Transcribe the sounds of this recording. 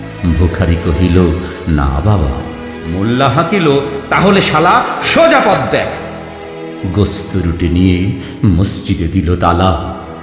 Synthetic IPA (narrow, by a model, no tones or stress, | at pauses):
bʱokʰaɾikoɦilo | na̰baba̰ | mulːaɦakilot̪aɦoleʃalaʃod͡ʑapɔd̪ːɛkʰ | ɡost̪oɾuʈenije | must͡ɕid̪ed̪ilot̪ala